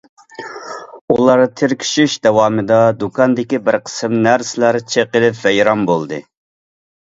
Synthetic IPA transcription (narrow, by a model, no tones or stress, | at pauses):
ulˠɑɾt̪ʰɪɾkʲʰi̥ʃyʃd̪ɛwɑːmɨd̪ɑd̪ukʰɑnd̪ɪkʲibɪɾqʰə̥sɪmnæɾsɪlæɾt͡ʃʰeqəlɪpvɛjɾɑmbolˠd̪ɨ